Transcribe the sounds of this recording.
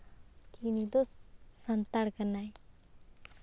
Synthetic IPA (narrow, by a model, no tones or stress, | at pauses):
kinid̪osːənt̪aɽkəɾnaj